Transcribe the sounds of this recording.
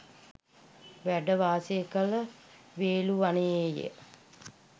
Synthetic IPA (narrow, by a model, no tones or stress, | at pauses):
ʋæɖəʋaːseəkələ | ʋeːluʋaneeːjḛ